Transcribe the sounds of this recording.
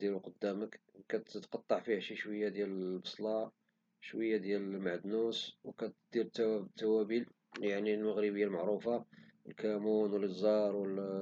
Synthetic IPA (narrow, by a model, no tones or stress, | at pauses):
d̪iɾuqod̪ːæməkkæt̪t̪qɑt̪ˤːɑʕfihæʃiʃwəjːad̪jæləbɑsˤlɑ | ʃwəjːad̪jælmaʕd̪nuswkæt̪d̪iɾt̪ːææt̪ːæwæbil | jaʕnilməɣɾəbəjːalmaʕɾufɑəlkæmunwəlzːɑɾˤwəl